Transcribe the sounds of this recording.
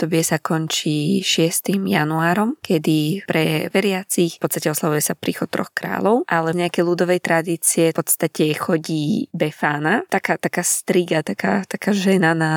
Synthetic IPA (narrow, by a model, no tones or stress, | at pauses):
t̪ɔbɪɛsakɔɲt͡ʃiʃɪɛst̪imjanuaːɾɔmkʰɛd̪ipɾɛʋɛɾɪat͡sixpɔtt͡sst̪acɛɔslaʋujɛsapɾiːxɔt̪̚t̪ːɾɔ̰xkɾa̰ːlɔʊʔalɛvɲɛakɛjlud̪ɔʋɛjt̪ɾad̪iːt͡siɛpɔt̪st̪acɛxɔɟiːbɛfaːnat̪akaːt̪akaːst̪ɾiɡat̪akat̪akaːʒɛnana